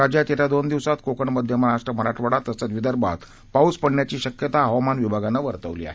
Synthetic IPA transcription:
ɾad͡ʑjat̪et̪ʰjad̪ond̪iʋsat̪kokəɳməd̪ʱːjəməɾaʂʈɾəm̤əɾaʈʰʋəɽat̪ːəsət̪ʋid̪əɾbʱa̰t̪ | pauspəɳnjat͡ɕiːɕəkjət̪aɦəʋamanʋibʱaɡanːaʋəɾt̪əʋlḭːa̰ɦe

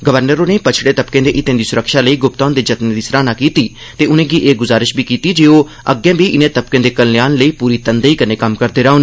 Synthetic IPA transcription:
ɡəʋəɾnəɾõːneːpət͡ʃʰɽeːt̪əpkẽːd̪eːʔɪt̪ẽːd̪iːsʊɾəkʃaːləiːɡʊp̚t̪aːnd̪eːd͡ʒət̪nẽd̪iːsɾaːnaːkiːt̪iː | t̪eːʊnẽːɡiːʔeːɡʊzaːɾɪʃbiːkiːt̪iːd͡ʒeːoː | əɡɛ̃ːbiːʔɪnẽːt̪əp̚kẽːd̪eːkəlnjaːnləiːpuːɾiːt̪ənd̪eiːkəneːkəmkəɾd̪eːɾaːoneː

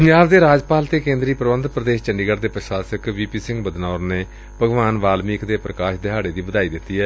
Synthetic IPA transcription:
pəɲd͡ʒaːbd̪eːɾaːd͡ʒpaːlt̪eːkẽːnd̪ɾiːpɾəʋənd̪pɾəd̪eːʃt͡ʃəɳɖiːɡəɾd̪eːpɾəʃaːsəkʋiːpiːsɪ̃ŋɡbəd̪naːɾneː | pəɡʋaːnʋaːlmiːkd̪eːpɾəkaːʃd̪ɪɦaːɽeːd̪iːbəd̪aːiːd̪ɪt̪ːiːɦɛː

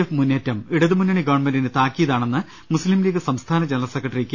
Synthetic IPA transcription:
efmunːetːɐmiɽɐðɨmunːɐɳiɡɐʋɐɳmendinɨt̪aːkːijɐðaːɳe̞nːɨ | muslimliːɣɨsɐmst̪ʰaːnɐd͡ʑenɐrɐlsekːɐʈːɐrikʲːɨ

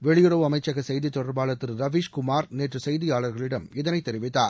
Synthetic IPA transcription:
ʋɛɭɪjɯrɐʋɯɐmɐɪt͡ʃːɐɣɐsɛjðit̪ːɔɽɐɾbaːɭɐt̪ːɪɾɾɐʋiːʂkʊmaːɾneːʈrɯsɛjðijaːɭɐɾɣɐɭɪɽɐmɪðɐnɐɪt̪ːɛɾɪʋɪt̪ːaːɾ

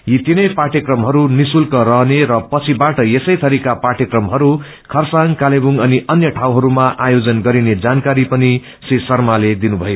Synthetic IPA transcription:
jit̪inʌjpaʈjʌkrʌmɦʌɾunisulkʌrʌɦneɾʌpʌt͡sʰibaʈʌjesʌjt̪ʰʌɾikaparʈjekrʌmɦʌɾu | kʰʌrsaŋkalebuŋʌniʔʌnjʌʈʰawɦʌɾumaʔajod͡zʌnɡʌɾined͡zankaɾipʌni | sisʌrmaled̪inubʱʌjo

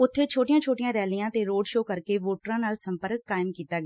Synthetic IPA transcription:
ʊt̪ʰːeːt͡ʃʰoːʈɪjãːt͡ʃʰoːʈɪjãːɾɛːlɪjãːt̪eːɾoːɖʃoːkəɾkeːʋoːʈəɾãːnaːlsəmpəɾəkːaːɪmkiːt̪aːɡː

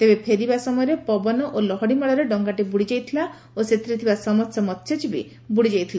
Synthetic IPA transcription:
t̪ebepʰeɾibasɔmɔjɔɾepɔbɔnɔʔolɔɦɔɽimɔɭɔɾeɖɔŋɡaʈibuɽid͡ʒajt̪ʰila | oset̪ɾit̪ʰibasɔmɔsɔmɔt̪ːʃʰed͡ʒibi | buɽid͡ʒajt̪ʰila

